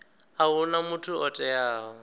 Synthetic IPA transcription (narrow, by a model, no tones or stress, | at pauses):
aɦʊnamutʰuʔɔtʼɛjaːɦɔ